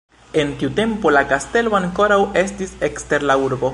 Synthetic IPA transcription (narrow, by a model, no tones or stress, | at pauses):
e̞ntiute̞mpo̞lakaste̞loaŋko̞ɾawe̞stisekste̞ɾlauɾbo̞